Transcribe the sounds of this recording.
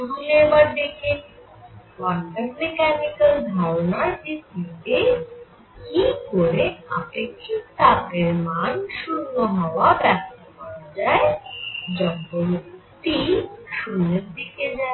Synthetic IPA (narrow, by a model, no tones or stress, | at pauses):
bulebaɾd̪ekʰe | baɳɖaɾmekanikald̪ʱaɾonaɾpist̪ːit̪e | kikoɾea̰pekʰːit̪akeɾmanʃunːoɦɔoabɛkt̪opaɾad͡ʑaed͡ʑɔbːomk | t̪iʃuneɾd̪ekʰed͡ʑa